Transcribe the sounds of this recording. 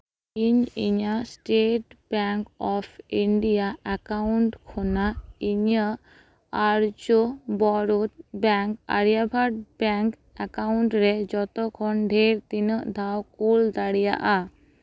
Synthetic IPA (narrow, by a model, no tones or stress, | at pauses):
iɲiɲasʈeʈbɛŋkɔpʰiɳɖijaɛkauɳʈkʰɔnaiɲa | aɾd͡ʒɔbɔɾut̪̚bɛŋka̰ɽijabʱaʈ̚bɛŋk | akawɳʈɾɛd͡ʒɔt̪ɔkʰɔnɖʱeɾt̪inəʔd̪ʱawkuld̪aɽija̰ʔa